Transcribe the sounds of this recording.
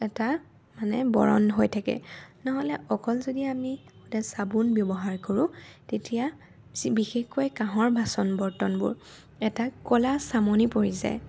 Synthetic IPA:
ɛta | manɛbɔ̰ɹɔ̰nɦojtʰakɛ̰nɔɦɔlɛʔɔkɔlzodiamixudasabunbjɔbɔɦaɹkoɹʊ̃tetija | bixexkojkãɦɔɹbʱasɔnbɔɹtɔnbʊ̰ɹ | ɛtakɔlasamonipoɹiza̰j

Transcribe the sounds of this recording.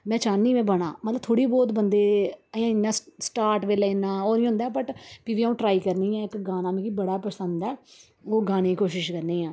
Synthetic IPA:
mɛ̃ːt͡ʃaːniːmɛ̃ːbəɽ̃aːmət̪ləb̚t̪ʰoːɽiːbɔːt̪bənd̪eːəjãːɪnːãːsʈaːɾʈʋeːlenãːoːnĩːɦʊ̃nd̪aːɛpəʈpiʋiːaũːʈɾaːiːkəɾniːɛ̃ːɪkɡaːnãːmĩːkiːbəɽaːpəsənd̪ɛː | oːɡaːneːkoːʃɪʃkəɾniːãː

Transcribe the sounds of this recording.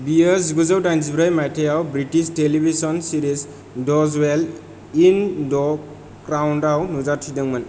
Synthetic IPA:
bijəziɡuzawdajnzibɾajmajtʰejawbɾitisʈelibʱisɔnsiɾis | dɔzwel | indɔ | kɾawndawnuzatʰidaŋman

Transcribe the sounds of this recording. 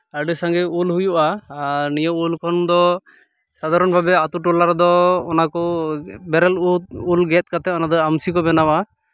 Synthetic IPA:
aɾɖisaŋɡɛulhujuʔaaɾnijɔulkʰɔnd̪ɔ | sad̪ʱaɾɔnbʱabɛat̪uʈɔlaɾd̪ɔːnakɔbɛɾɛluulɡɛt̪̚kat̪ɛɔnad̪ɔamsikɔbɛnawa

